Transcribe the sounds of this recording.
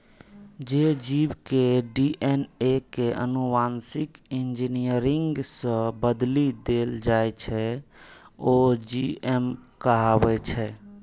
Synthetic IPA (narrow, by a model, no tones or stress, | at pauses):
d͡ʒed͡ʒibkeɖiʔɛnekeʔə̰nuʋansikind͡ʒinijəɾiŋɡsə̃bəd̪lid̪eld͡ʒajt͡ʃʰɛ | od͡ʒiemkəɦabɛt͡ʃʰɛ